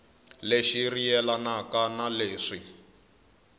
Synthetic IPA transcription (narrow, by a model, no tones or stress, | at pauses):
leʃirijɛlanakanaleːʂi